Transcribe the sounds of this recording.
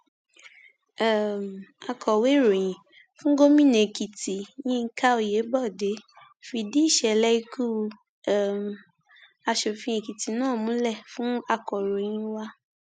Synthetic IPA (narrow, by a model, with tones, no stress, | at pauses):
a˨m˨a˨˧kʰɔ˨we˨˦˨ɾo˨j̃ĩ˨ | fũ˦ɡo˦mĩ˦˨nẽ˨ki˨ti˨jĩ˦˧˦ka˦o˧˨je˨˦bɔ˦˨de˨˦ | fi˧˨di˦i˦˨ʃɛ˨lɛ˦i˧kʰu˦˧˦ | m˨ | a˧ʃo˨fĩ˧e˧˨ki˨ti˨nãː˦˨mũ˨˦lɛ˦˨fũ˦a˧kɔ˨ɾo˨j̃ĩ˧wa˧